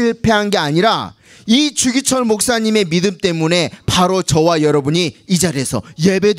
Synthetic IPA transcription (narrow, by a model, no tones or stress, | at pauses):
iɭpʰe̞ɦanɡe̞aɲiɾa̰ | it͡ɕuɡit͡ɕʰʌɭmok̚s͈aɲime̞midɯmt͈e̞mune̞paɾot͡ɕʌwajʌɾʌbuɲiːd͡ʑaɾe̞sʰʌ̰je̞be̞d